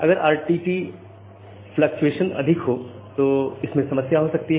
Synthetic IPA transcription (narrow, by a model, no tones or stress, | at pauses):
ɐ̰ɡəɾaːɾʈiːʈi | flɐk̚t͡ʃueːʃənɐ̰d̪ʱɪkɦo | t̪oɪsmẽsɐməsjaɦosɐk̚t̪iɦɛ